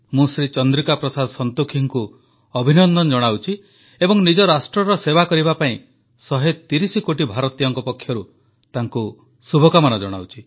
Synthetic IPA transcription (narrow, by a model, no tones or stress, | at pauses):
mũsɾit͡ʃɔnd̪ɾikapɾɔsad̪ɔsɔnt̪ukʰiŋku | ɔbʱinɔnd̪ɔnd͡ʒɔɽ̃awt͡ʃʰi | ebɔŋnid͡ʒɔɾasʈɾɔɾɔsebakɔɾibapaĩ | sɔɦet̪iɾisikoʈibʱaɾɔt̪ijɔŋkɔpɔkʰːjɔɾu | t̪aŋku | subʱɔkamanɔd͡ʒɔɽ̃a̰wt͡ʃʰi̥